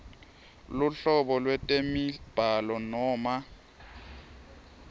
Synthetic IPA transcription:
lʊɬɔɓɔlwɛtʼemib̥ʱalɔnɔːma

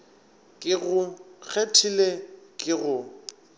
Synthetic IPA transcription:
kʼɪɣʊk͡xʰetʰilekʼɪɣʊ

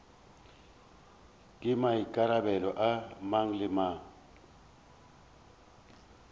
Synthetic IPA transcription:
kʼɪmaikʼaɾabɛlɔʔamaŋ̩lɪma

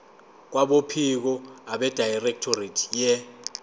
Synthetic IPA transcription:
k̬waɓopʰik̬ɔaɓɛd̥ʱajrɛk̚tʰoritʰjɛ

